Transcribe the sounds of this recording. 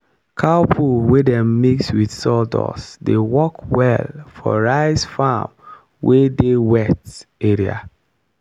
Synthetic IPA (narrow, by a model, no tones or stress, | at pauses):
kʰapʰuwedɛ̃mmikswiθsɔldɔ̰sdewɔkwɛlfɔ̰ɹaɪsfam | wedewɛteɹia̰